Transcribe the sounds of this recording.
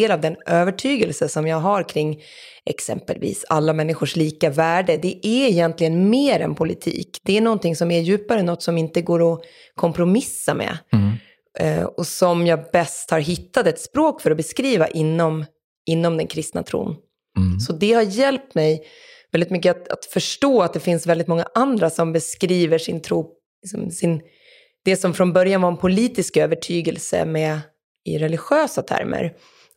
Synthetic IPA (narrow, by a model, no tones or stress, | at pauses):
eːlavd̪ɛnʔøːvəʈʰyːɡəlsəsɔmjɑːɡɦaɾkʰɾɪŋː | ɛ̰ksɛ̰mpə̰lvḭːsa̰lːamɛnːɪɧʊʂliːkavæːɖəd̪ɛʔæɾɛjɛnt̪lɪɡənmeːɾɛ̰npʰʊlɪt̪ʰḭːkd̪ɛæɳɔnt̪ɪŋsɔmæɾjʉ̟ːpaɾəɛnːɔt̪ːsɔmɪnt̪əɡoːɾɔ | kʰɔmpɾʊmɪsːamɛ̰ | ɔsɔmjɑːbɛst̪haɾɦɪt̪ːat̪ɛt̪spɾoːkfœɾɔbɛskɾiːva̰ʔɪnːɔm | ɪnːɔmd̪ɛnkʰɾɪst̪na̰t̪ʰɾṵːn | sɔd̪ɛhaɾjɛlp̚t̪mɛj | vɛld̪ɪt̪mʏk̬ːəat̪a̰t̪fœʂʈoːat̪̚d̪ɛfɪnsvɛld̪ɪt̪mɔŋːaʔand̪ɾasɔmbɛskɾiːvəʂɪnt̪ʰɾuː | lɪsɔmsɪn | d̪̥ɛsɔmfɾɔnbœɾjanvaɾɛnpʰʊliːt̪ɪskøːvəʈʰyːɡɛlsə̰mɛ | ɪ̰ɾɛlɪɧøːsat̪ʰæ̰ɾmə̰ɾ